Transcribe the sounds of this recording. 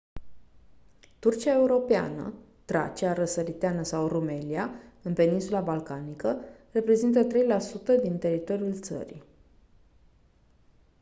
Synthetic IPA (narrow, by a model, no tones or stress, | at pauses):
t̪urt͡ʃiae̞uɾo̞pea̰nə̰ | t̪ɾa̰t͡ʃiaɾəsəɾit̪eanəsawrume̞liaɨnpe̞ninsulabalkanikəre̞pɾe̞zint̪ət̪ɾe̞jlasut̪əd̪int̪e̞ɾit̪o̞ɾijult̪sə̰ɾḭ